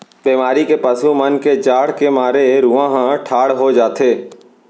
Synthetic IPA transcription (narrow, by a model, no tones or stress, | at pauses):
biːmaːɾikepəsumənked͡ʒaːɽ̤kemaːɾeɾuãɦãʈʰaːɽ̤ɦod͡ʒaːt̪eː